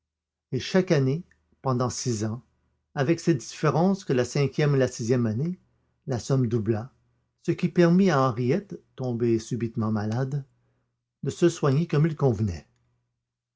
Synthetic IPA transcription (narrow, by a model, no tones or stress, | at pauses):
eʃakane | pɑ̃d̪ɑ̃sizɑ̃ | avɛksɛd̪ifeʁɑ̃skəlasɛ̃kʲjɛmelasizjɛmane | lasɔmd̪ubla | səkʲipɛʁmiaɑ̃ʁijɛt̪ːɔ̃besybit̪mɑ̃malad̪ | d̪əsəswaɲekɔmilkɔ̃vnɛ